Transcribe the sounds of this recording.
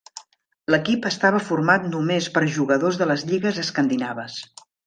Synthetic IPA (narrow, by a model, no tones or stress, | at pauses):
ləkipəst̪aβ̞əfuɾmat̪numespəɾʒuɣəðozðələzʎiɣəzəskənd̪inaβəs